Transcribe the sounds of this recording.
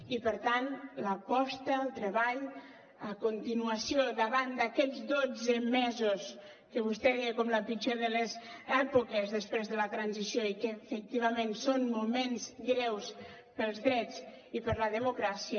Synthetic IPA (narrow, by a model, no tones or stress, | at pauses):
ipəɾt̪anləpɔst̪əlˠt̪ɾəβaʎ | əkunt̪inuəsioðəβand̪əkɛd͡zd̪od͡zəmɛzus | kəβust̪ɛekɔmləpit͡ʃeðələz | ɛpukəzðəspɾezðələt̪ɾanzisijoikəfək̚t̪iβ̞əmẽnsonmumenzɡɾɛws | pəlˠzðɾɛd͡z | ipəɾləðəmukɾasiə